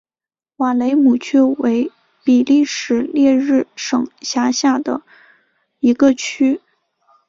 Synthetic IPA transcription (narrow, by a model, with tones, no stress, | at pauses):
wa˨˩le˧˥ɪmu˨˩t͡ɕʰɛ˥˩we˧˥ɪ | pi˨˩li˥˩ʂɻ̩˧˥ljɛ˥˧ɻɻ̩˥˩ʂɤ˨˩ŋɕja˧˥ɕja˥˩d̪ə̰˩ | i˧˥ɡə˧t͡ɕʰy˥